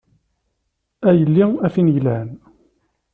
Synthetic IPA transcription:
æjəlːiæfinjlæn

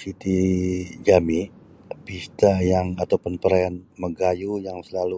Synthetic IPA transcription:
sit̪id͡ʒami | pist̪ajaŋat̪awpʊnpəɾajanməɡajujaŋsəlalu

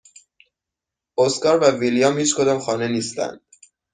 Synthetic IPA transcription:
oskɒːɾvævilijɒːmhiːt͡ʃkʰod̪ɒːmxɒːne̞niːst̪æ̰nd̪̥

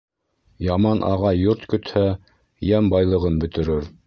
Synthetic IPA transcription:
jɑmɑnʔɑʁɑjoɾt̪kɵ̆t̪hæ | jæmbɑjlˠɤ̆ʁɤnbɵ̆t̪ɘ̆ɾɘɾ

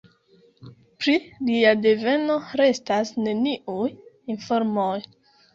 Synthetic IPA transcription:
pɾiliadeve̞no̞ɾe̞stasne̞niʔuj | info̞ɾmoj

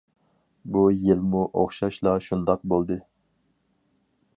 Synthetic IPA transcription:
bujilmuʔo̰χʃɑʃlˠɑʃund̪ɑq̚bolˠd̪ɨ

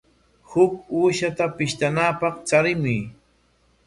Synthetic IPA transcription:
hʊkuːʃat̪apɪʃt̪anaːpɑχt͡ʃaɾɪmʊj

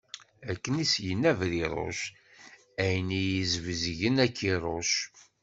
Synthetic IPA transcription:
ækːənisjənːævɾiɾˤo̰ʃ | æjnijizvzʝənækːiɾˤoʃ

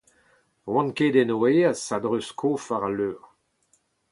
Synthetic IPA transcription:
wɑ̃nked̪ɛnoeasad̪ʁøskʰoːfaʁaløːʁ

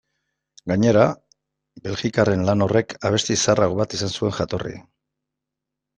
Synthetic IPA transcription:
ɡaɲe̞ɾa | be̞lɣikare̞nlano̞re̞kʰaβ̞e̞st̪isaraɣo̞βat̪isansue̞ŋxat̪o̞rḭ

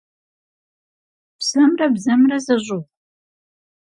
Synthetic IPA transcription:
psɐmrɐbzɐmrɐzɐʑʊʁ

